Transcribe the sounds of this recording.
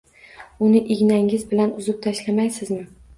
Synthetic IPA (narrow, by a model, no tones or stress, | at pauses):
ʊnɪʔɪɡʲnaŋɪzbɪlanʊzʊp̚t̪ʰaʃlamajsɪzmɪ